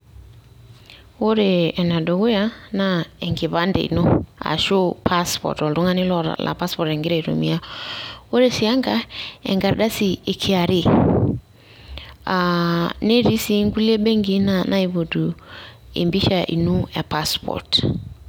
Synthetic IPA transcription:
o˦ɾe˨ɛ˨na˨dɔ˨ɣo˦ja˦na˦ɛ˨ŋɡɪ˨βa˦ndḛ˨ḭ˨nu˦a̰˨ʃo˦pʰa˦spɔ̰˨tɔ˨ldʊ˦ŋa˦nɪ˦lɔ˦ɾa̰˨la̰˨pa˦spɔ˨tɛ˨ŋɡɪ˦ɾa˨ɾo̰˨mi˦a˦o˦ɾe˦sɪ˨a˦ŋɡa˦ɛ̰˨ŋɡa˨ɾda˦si˦˨e˨kʰɪ˦a˨ɾɪ˦ | a˨ne˦ɾi˦si˦ŋɡu˦le˦be˦ŋɡi˦na˦˨nʔa˦i˨βo˨du˨ḛ˨mbi˦ʃa˨ʔḭ˨nu˦ɛ˨pa˦spʰɔ̰˨t

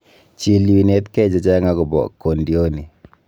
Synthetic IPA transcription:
t͡ʃi˨li˨wi˨ne˦tkɛ˦d͡ʒɔ˨t͡ʃa˦ŋa˦ɡu˨bɔ̰˨kːo˨ndi˨o˦ni˨

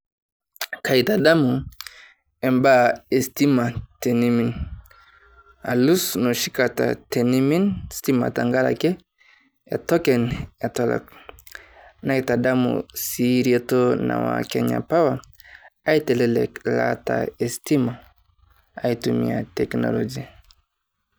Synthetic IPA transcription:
ka˨i˨ta˨da˦mu˨ | e˨mba˦e˨sti˦ma˨te˨ni˦mi˨n | a˨lu˦sno˨ʃi˦ka˨ta̰˨te˨ni˦mi˦nsti˦ma̰˨ta˨ŋɡa˦la̰˨kɛ˦ | e˨tɔ˦kɛ˨ne˨tɔ˦lɔ̰˨k | na˦ita˨da˦mṵ˨si˨ɾie˦to˦na̰˨wa̰˨ke˦ɲa̰˨pa˦wa˨ | a˦i˦tɛ˨lɛ˦lɛ̰˨kla̰˦ta̰˨e˨sti˦ma˨ | a˨i˨tu˨mḭ˨a̰˨tɛ˨kno̰˨lo˨d͡ʒi˦

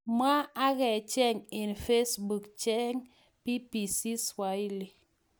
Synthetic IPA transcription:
ma˦a˦ɣɛ˨t͡ʃɛ˦˨ŋe˨n˨fe˦sbu˨kt͡ʃɛ˦ŋ | pi˦pi˨si˦swa˨˦i˦li˨

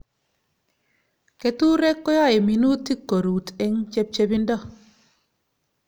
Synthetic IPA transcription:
ke˨tu˦ɾɛ˦kːo˦ja˦˨e˨mi˨nu˦tːi˦kːo˨ɾu˨tɛ˦ŋt͡ʃɛ˦p̚t͡ʃe˦bi˦ndɔ˦

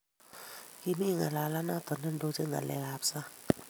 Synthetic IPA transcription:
ki˧mi˦˨ŋa̰˨la˨la˦na˦˨t̪ɔ˨ndə˦˨ndo˧˦t͡ʃɯ˦ŋa̰˨lɛ̰˧˨a˨˦˨psa˦

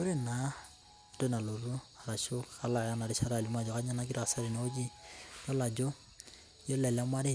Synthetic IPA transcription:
ʊ˦ɾɪ˦na˨ | de˦na˨lo˨ɾu˦a˨ɾa˨ʃo˦ka˦la˨ja˦na˨ɾɪ˦ʃa˦ɾa˨li˨˦ma˦˨d͡ʒɔ˨ka˦ɲa˦na˦k̬ɪ˦ɾa˨a˨sa˦ɾi˨na˦o˦d͡ʒi˦jɔ˦la˨d͡ʒɔ˦ | jɔ˦lɛ˨la˦mwa˦dɪ˦˨

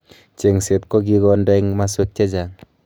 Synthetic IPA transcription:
t͡ʃe˨ŋse˨t̚ko˦k̬i˦kɔ˧ndɔ˦i˦ŋma˦swe˦k̚t͡ʃe˦d͡ʒa˨ŋ

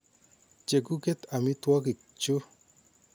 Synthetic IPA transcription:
t͡ʃe˨ku˦ke˦t̪a˨mɪ˦twɔ˦k̬ɪ˨ | t͡ʃʊ˦

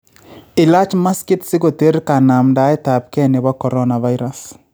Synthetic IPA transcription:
ɪ˨la˦t͡ʃma˦skɪ˦tsɪ˦ɡo˨te˦ɾka˨na˨mda˨˦ɛ˦ta˨p̚kɛ˦ne˨ba˦kɔ˨ɾɔ˦na˨va˦jɾa˦s

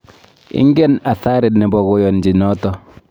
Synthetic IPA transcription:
ɪ̰˦ŋɡɛ˦na˨θa˦ɾɪ˨dnɪ˨bɔ˨ɣo˨jɔ˨nd͡ʒi˨nɔ˦tɔ˦

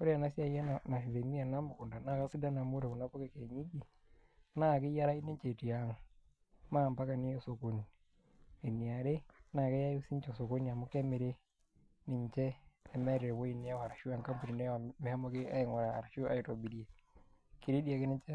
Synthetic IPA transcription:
ko˦ɾe˦a˨na˦sja˦˨jɛ˦na˨na˨hi˨ðe˨mi˦a˨na˦mʊ˨kʊ˨nda˨na˦˨ka˦sɪ˦da˦na˨mo˦ɾe˨ku˨na˦po˦ke˦ke˨ɲi˦d͡ʒi˨ | na˦˨kɪ˦ja˦ɾa˦i˦nɪ˦ɲt͡ʃe˨ti˨a˨ŋ | ma˦˨mpa˦ka˨nɪ˦jo˦so˨ko˨n˨ | e˨n˨a˨ɾe˦na˨kɛ˦ja˦jo˦si˦ɲt͡ʃɔ˨so˨ko˦n˨a˨mʊ˦kɛ˦mɪ˨ɾe˦ | nɪ˨ɲt͡ʃɛː˦˨mɛ˦ɾe˨wo˦i˨nɪ˦ja˦a˨ɾa˨ʃu˦a˨ŋka˦mpu˨ni˨ne˦a˨mɪ˨ha˦mo˦kɪ˦a˦ɪ˨ŋwa˨ɾa˨a̰˨ɾa˨ʃo˦a˦ji˨to˨bi˨ɾi˦e˨ | ki˨ɾe˦di˦a˨ke˦nɪ˦ɲt͡ʃɛ˦

